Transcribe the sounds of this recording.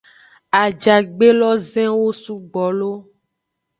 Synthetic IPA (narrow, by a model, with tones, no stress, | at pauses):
a˨d͡ʒa˨ɡ͡be˦lɔ˦zɛ̃˦wo˦su˦ɡ͡bɔ˨lo˦